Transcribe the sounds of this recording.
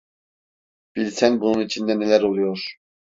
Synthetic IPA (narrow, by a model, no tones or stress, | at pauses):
b̥ilsɛnbununit͡ʃʰind̪ɛnelæɾolˠujoɾ